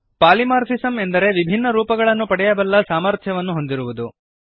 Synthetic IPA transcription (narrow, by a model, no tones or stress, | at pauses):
paːlimaːɾfʰisɐme̞nd̪ɐɾe̞ʋibʱinːɐɾuːpɐɡɐɭɐnːupɐɽɛjɐbɐlːɐsaːmɐɾt̪ʰjɐʋɐnːuɦo̞nd̪iɾuʋud̪u